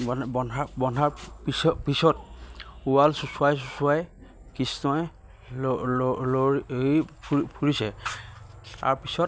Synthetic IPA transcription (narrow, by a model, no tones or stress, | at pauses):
anbɔnabɔnaɹpisɔpisɔt̚uwalsusuajs̬usuaj | kisnɔj | loɹiipʰpʰuɹisɛ | a̰ɹpisɔt̚